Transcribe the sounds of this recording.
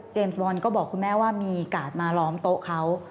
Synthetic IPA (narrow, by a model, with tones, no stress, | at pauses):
t͡ɕeː˧msbɔː˧nkɔː˥˩bɔː˨˩kʰu˧nmɛː˦˥waː˥˩miː˧kaː˨˩t̪̚maː˧lɔː˦˥mt̪o˦˥ʔkʰa˦˥w